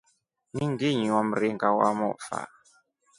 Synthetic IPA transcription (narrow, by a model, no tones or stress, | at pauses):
nĩŋɡiɲɔm̩ɾiŋɡawa̰mɔfa̰